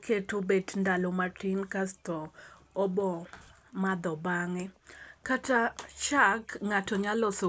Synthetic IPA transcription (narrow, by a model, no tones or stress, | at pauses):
kʰetobedndalomatinkastɔ | ɔbɔ | mad̪ɔbaŋɛkataʃakŋatɔɲalɔso